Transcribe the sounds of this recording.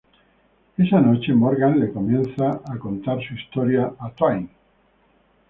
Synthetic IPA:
esanot͡ʃemoɾɣanlekomjẽnθaako̞nt̪aɾsuist̪oɾjaʔat̪ajn

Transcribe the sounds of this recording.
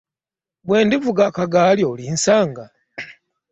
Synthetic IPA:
bweːndivuɡakaɡaːljolinsaːŋɡa

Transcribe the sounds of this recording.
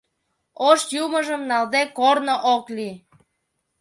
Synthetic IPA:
oʃjuməʒəmnɑld̪ekornoʔokli

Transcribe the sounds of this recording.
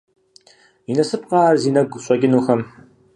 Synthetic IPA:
inɐsɨp̚ʼqɑːrziːnɐɡʷɕʷʼɐɡʲɪnuːxɐm

